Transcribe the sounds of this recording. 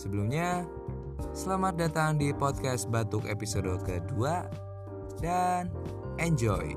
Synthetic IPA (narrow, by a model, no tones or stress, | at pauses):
səbəlumɲa | səlamat̪̚dat̪aŋdipɔt̪̚kɛst̪̚bat̪ʊkḛpisodokədua | dan | ʔɛɲd͡ʒɔj